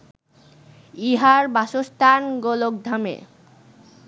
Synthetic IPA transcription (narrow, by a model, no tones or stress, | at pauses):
iɦaɾbaʃost̪ʰanɡolok̚d̪ʱamḛ